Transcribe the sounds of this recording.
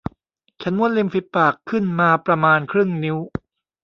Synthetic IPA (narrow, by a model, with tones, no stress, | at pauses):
t͡ɕʰa˦˥nmu˥˩ənli˧mfi˧˦˥t̪̚pːaː˨˩kʰːɯ˥˩nmaː˧pɾa˧maː˧nkʰɾɯ˥˩ŋni˦˥w